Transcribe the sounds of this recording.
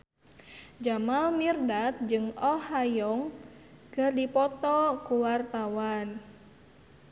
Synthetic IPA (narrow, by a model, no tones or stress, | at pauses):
d͡ʒamalmirdat̪̚d͡ʒɨŋɔhajɔŋ | kɨrdipɔt̪ɔkuwart̪awan